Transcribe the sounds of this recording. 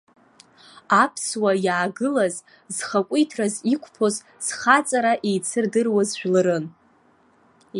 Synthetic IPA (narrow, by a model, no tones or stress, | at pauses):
apʰswajaːɡɨlaz | zχakʷʼijtʰrazikʷʰʼpʰo̞z | z̥χat͡sʼaɾaʔejt͡sʰɨrdɨrwazʒᶣlɨɾɨn